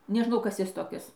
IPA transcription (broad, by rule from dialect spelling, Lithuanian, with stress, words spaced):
nʲɛˈʒnɐʊ ˈkɐs ˈjɪs toːˈkʲɪs